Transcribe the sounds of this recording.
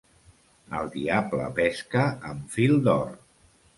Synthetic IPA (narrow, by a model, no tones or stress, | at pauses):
əlˠd̪iablə̰pɛskəəɱfilˠd̪ɔr